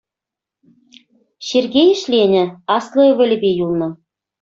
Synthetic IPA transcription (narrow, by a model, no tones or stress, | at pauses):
ɕerɡʲejɘ̆ʃlʲenʲɘ̆ɑslˠɤ̆ɤβʲɘ̆lʲɘ̆bʲejulˠnɤ̆